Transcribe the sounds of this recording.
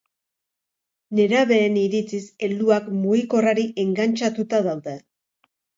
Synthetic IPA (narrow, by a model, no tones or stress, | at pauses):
ne̞ɾaβe̞ːniɾit͡sise̞ld̪uakmuɣiko̞raɾiʔe̞ŋɡant͡ʃat̪ut̪aðawðe̞